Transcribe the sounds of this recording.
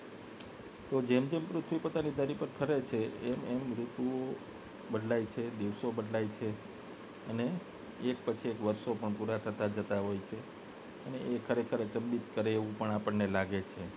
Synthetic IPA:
t̪od͡ʒemd͡ʒempɾʊt̪ʰʋipot̪anid̪ʱəɾipəɾpʰəɾet͡ʃʰeɛmɛmɾʊt̪uo | bəɖʱlait͡ʃʰed̪iʋsobəɖlajt͡ʃʰe | əneː | k̚pət͡ʃʰiekʋəɾʃopəɳpuɾat̪ʰət̪ad͡ʒət̪aɦojt͡ʃʰe | əneʔekʰəɾekʰəɾet͡ʃəmbit̪kəɾeːʋũpəɳapəɳːelaɡet͡ʃʰe

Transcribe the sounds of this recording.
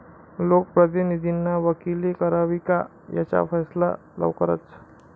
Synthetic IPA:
lok̚pɾəd̪inid̪ʱinːaʋəkilikəɾaʋika | ja̰t͡ɕa̰fəsla̰ | lə̰ʋkəɾə̰t͡s

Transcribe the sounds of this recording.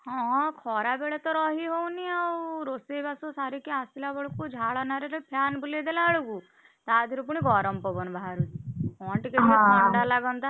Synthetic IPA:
hɔ̃kʰɔɾabeɭet̪ɔɾɔɦiɦowniawɾosebasosaɾikiasilabɔɭkud͡ʒʱaɭɔnaɾeɾepʰjanbʱuled̪elaɭuɡu | t̪ad̪ʱiɾup̬uɽ̃iɡɔɾɔmpɔbɔnbʱaːɾut̪ɔɳʈikebiɔɳɖalaɡɔnt̪a

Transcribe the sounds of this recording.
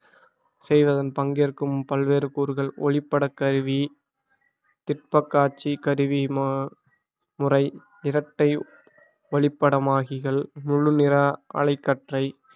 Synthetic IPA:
sɛjʋɐðɐnpɐŋɡeɾkɯmpɐlʋeːɾɯkuːɾɣɐɭɔ̰ɭɪpːɐɽɐkːɐɾɯʋi | t̪ɪʈ̚pɐkːaːt͡ʃːikɐɾɯʋi | mʊrɐɪ | ɪɾɐʈːɐɪ | ɐɭɪpːɐɽɐmaːɣɪɣɐɭmʊɻɯnɪɾɐɐ̰ɭɐɪkːɐʈrɐɪ

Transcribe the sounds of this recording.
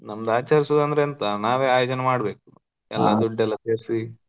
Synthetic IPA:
nɐmd̪aːt͡ʃɐɾisoːd̪ɐnd̪ɐɾeɐnt̪ɐnaːʋeːaːjoːd͡ʒɐnemaːɽbe̞ːku̥ | ɛ̰lːɐ̰d̪uɖːɛlːɐt̪eɾsi

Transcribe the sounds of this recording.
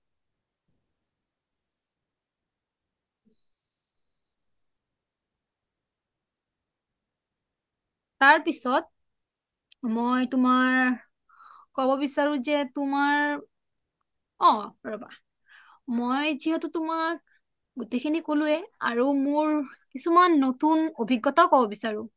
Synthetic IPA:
taɹpisɔt̚ | mojtʊmaɹ | kɔbɔbisaɹʊ̃zɛtumaɹ | ɔ̃ɹɔba̰ | mojziɦɛtʊtʊmak | ɡutekʰinikolʊɛa̰ɹumoɹkisumanːotunobʱiɡːɔtakɔbɔbisaɹʊ̃

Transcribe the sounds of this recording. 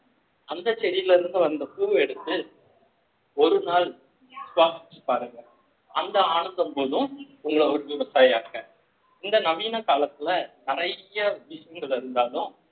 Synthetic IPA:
ɐnd̪ɐt͡ʃɛɾɪjɪlɪɾɯnd̪ɯʋɐnd̪ɐtuːʋɛɽɯt̪ːɯ | ɔɾɯnaːl | sʋaːsɪt͡ʃːɯ̥paːɾɯŋɡɐ | ɐnd̪ɐaːɳɯnd̪ɐmpoːðɯ̃ | ʊŋɡɐɭɔɾɯʋɪʋɐsaːja̰ːkɐ | ɪnd̪ɐnɐʋiːnɐkaːlɐt̪ːɪlɐnɪrɐjɐʋɪʂɐjɐŋɡɐɭɪɾɯnd̪aːlʊ̃m

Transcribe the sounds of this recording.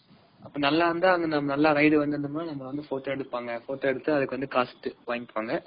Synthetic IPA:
ʔɐpːɐːnɐlːaːʋɐnd̪aːɐŋɡɐnɐmːɐnɐlːaːɾɐɪɽɯʋɐnd̪ɯɾd̪ɯmaːnɐmːɐʋɐnd̪ɯfoːʈoːɛɽɯpːaːŋɡɐfoːʈoːɛɽɯt̪ːɯɐðɯkːɯʋɐnd̪ɯkaːsʈːɯʋaːŋɪpːaːŋɡɐ

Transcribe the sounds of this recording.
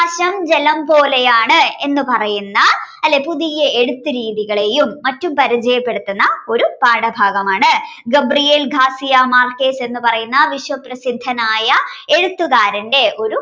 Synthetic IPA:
ɐɕɐmd͡ʑe̞lɐmpo̞ːlejaːɳɨe̞nːɨpɐrɐjunːɐɐlːe̞puðijɐeɽut̪ːɨɾiːðiɣɐɭe̞jumːɐtːumpɐɾit͡ɕɐjɐpːe̞ɽut̪ːunːɐo̞ɾupaːɽɐbʱaːɡɐmaːɳɨ | ɡɐbrijeːlɡʱaːsijɐmaːrke̞ːse̞nːɨpɐrɐjunːɐʋiɕwɐprɐsid̪ʱːɐnaːjɐe̞ɻut̪ːuɣaːɾɐnde̞ʔo̞ɾu

